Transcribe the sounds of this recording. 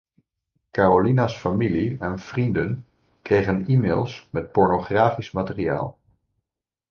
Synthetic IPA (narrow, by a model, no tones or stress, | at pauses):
kaːrolinasfamiliɛnv̥rindən | krejχənimeːlˠsmɛt̚pɔɹnoχraːfismatɪria̰ːlˠ